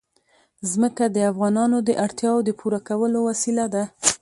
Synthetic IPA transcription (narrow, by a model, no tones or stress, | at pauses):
zməkad̪əafɣɑnɑnod̪əʔaɽt̪jɑwod̪əpuɾakawəlowasilad̪a